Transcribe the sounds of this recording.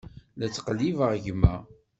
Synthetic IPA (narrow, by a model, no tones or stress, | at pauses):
læt͡sːqəlːivəʁʝmæ̰